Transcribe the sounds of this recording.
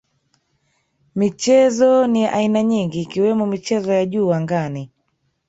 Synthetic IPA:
mit͡ʃɛzɔnijaʔainaɲiŋɡiːkiwɛmɔmit͡ʃɛzɔjaʄuːaŋɡani

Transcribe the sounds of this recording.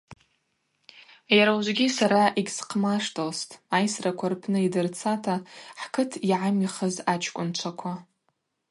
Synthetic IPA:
jaɾawʒʷɡʲisaɾaʔiɡʲsqʰmaʂtʰʼolstʼajsrakʷʰarpʰnɨidɨrt͡sʰatʰaħkʰɨtʰiʕamiχəzat͡ʃʰkʷʼʊnt͡ʃʷʰakʷʰa

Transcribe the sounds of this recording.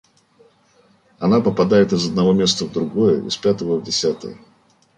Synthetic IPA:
ɐnapəpɐd̪ajɪt̪ɨzəd̪nɐvo̞mʲe̞st̪əvd̪ɾʊɡojəɪ̰spʲat̪əvəvdʲɪsʲat̪ə̰jə

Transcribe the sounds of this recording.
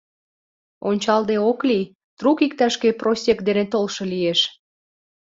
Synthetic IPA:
o̰nʲt͡ɕɑld̪eoklij | t̪ɾukik̚t̪ɑʃkeprosʲekd̪enet̪olʃɤlieʃ

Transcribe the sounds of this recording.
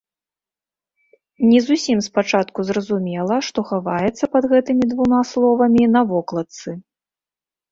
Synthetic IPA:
nʲɛzusʲimspat͡ʂat̪kuzɾɐzumʲɛlˠɐʂt̪ɔxavajɛt̪sːɐpɐd̪ɣɛt̪ɨmʲid̪vumaslˠɔvɐmʲinɐvɔklˠɐt̪sɨ

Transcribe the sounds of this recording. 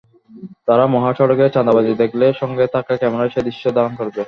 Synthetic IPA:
t̪aɾamɔɦaʃɔɾoket͡ɕand̪abad͡ʑ̪id̪ekʰleʃɔŋɡet̪ʰakakɛmeɾaʃed̪iʃːod̪aonkoɾbe

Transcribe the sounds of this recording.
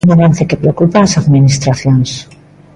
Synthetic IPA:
naβanθekepɾeokupaːsaðminist̪ɾaθjons

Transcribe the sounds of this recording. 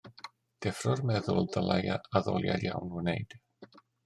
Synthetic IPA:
d̥ɛfrɔrmɛðʊlˠdalˠajaaðɔlˠja̰dja̰wnnejd̥

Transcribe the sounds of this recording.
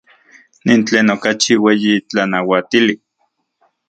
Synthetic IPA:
nint͡ɬeːnokat͡ʃiweːjit͡ɬanawat̪ili

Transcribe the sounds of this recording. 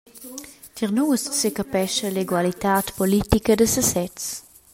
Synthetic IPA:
t̪iʁnuːsːekəpɛʃəleɡwalit̪aːt̪polit̪ikədəsəsɛt͡s

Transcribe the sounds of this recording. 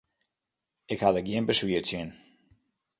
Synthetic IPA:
ɪkhadəɡjiənbəswiətsjən

